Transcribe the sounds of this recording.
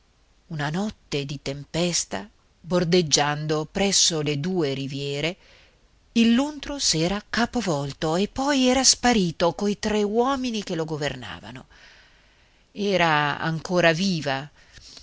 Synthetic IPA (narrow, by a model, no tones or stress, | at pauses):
unanɔt̪ːed̪it̪empɛst̪a | bord̪ed͡ʒːand̪opɾɛsːoled̪uːeɾivjɛːɾe | ilːunt̪ɾosɛːɾakaːpovɔlt̪oepːɔjɛːɾaspaɾiːt̪okoit̪ɾewɔːminikeloɡoverna̰ːva̰no | ɛːɾaa̰ŋkoːɾaviːva